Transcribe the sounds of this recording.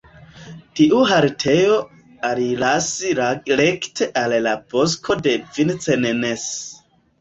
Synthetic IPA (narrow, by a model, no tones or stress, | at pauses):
tiʔuɦaɾtʰe̞jo̞ | aɾilasiɾektʰe̞ʔallabo̞s̬kʰo̞de̞vint͡senenes